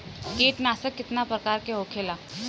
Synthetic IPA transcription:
keːʈnaːsəkːɪt̪napɾəkaːɾkeɦoːkʰeːlaː

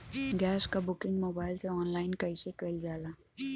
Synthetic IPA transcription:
ɡɛːskabʊkɪŋɡmoːbaːɪlseɔːnlaːɪnkəjsekəild͡ʒaːlaː

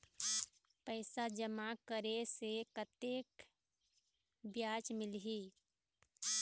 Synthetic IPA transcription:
pəɪsad͡ʒəmakəɾesekət̪ek | bjat͡ʃmɪlɦi

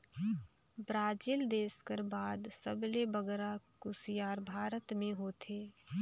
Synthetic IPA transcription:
bɾaːd͡ʒiːld̪eːskəɾbaːd̪səblebəɡɾakʊsijaːɾbʱaːɾət̪mẽɦoːt̪ʰeː

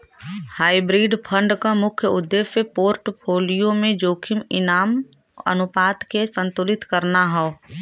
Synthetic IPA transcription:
haːibɾiːɖpʰə̃ɳɖkamʊkʰjəʊd̪ːeːʃepoːɾʈpʰoːlijõmẽd͡ʒoːkʰɪmɪnaːm | ə̰nʊpaːt̪kesə̃nt̪uːlɪt̪kɐɾnaɦɔoː

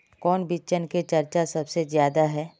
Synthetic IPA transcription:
kɔːnbit͡ʃənket͡ʃɐɾt͡ʃasɐbsezjaːd̪aɦɛː

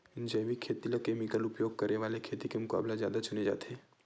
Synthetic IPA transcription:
ɪnd͡ʒɛːʋikʰeːt̪ilɐkemiɡəlʊpjoːɡ̚kɐɾneʋaːlekʰeːt̪ikemʊka̰ːblazja̰ːd̪at͡ʃʊned͡ʒa̰ːt̪ɦɛː

